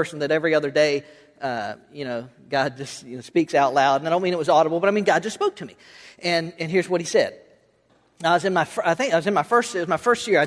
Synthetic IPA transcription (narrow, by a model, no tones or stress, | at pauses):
ɜ˞sn̩ðɨɾɛvɹiʌðə˞deɪ | ʌjɨñoʊ | ɡ̥ɑd̚d͡ʒʌst̚jɨnoʊspiksaʊtˡlaʊɾnaɪdõʊ̃nmĩnɨt̚wʌzɔɾəbl̩ˠbʌɾaɪmĩnɡɑd̚d͡ʒʌstspoʊk̚tʰɨmi | ʔɨ̃nɨ̃nɦɪɹzwʌt̚hisɛd̥ | aɪwʌzɨ̃nmaɪfaɪθɪ̃ŋkaɪwʌzɨ̃nmaɪfɜ˞stɪt̚wʌzmaɪfɜ˞stjɪɹaɪ